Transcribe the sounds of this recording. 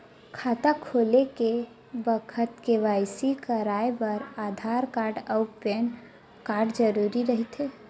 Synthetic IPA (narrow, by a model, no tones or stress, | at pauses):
kʰaːt̪akʰoːleke | bəkʰət̪keʋaːɪsikəɾaːebəɾaːd̪ʱaːɾkaːɾɖəʊpɛːn | kaːɾɖd͡ʒəɾuːɾiɾəɦit̪e